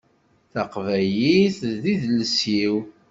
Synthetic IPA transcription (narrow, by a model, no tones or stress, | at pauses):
θɑqvæjiθðiðləsjiw